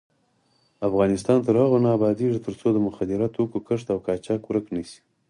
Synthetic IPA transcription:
afɣɑnɪst̪ɑnt̪əɾhaɣonɑːbɑd̪eʐit̪əɾt͡sod̪əmʊxad̪ɪɾat̪okokəʂt̪awkɑt͡ʃɑkwɾəknisi̥

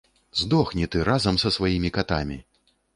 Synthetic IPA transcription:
zd̪ɔxnʲit̪ɨɾazɐmsɐsvajimʲikat̪a̰mʲi

